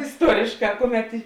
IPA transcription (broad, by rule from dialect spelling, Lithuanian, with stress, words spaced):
ɪsˈtuɔrʲeːʃˌkɑː ˈkʊˌmʲɛt ɪ